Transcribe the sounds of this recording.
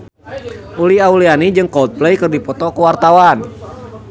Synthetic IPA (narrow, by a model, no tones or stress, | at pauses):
uliaulianid͡ʒɨŋkɔlt̪̚plɛjkɨrdipɔt̪ɔkuwart̪awan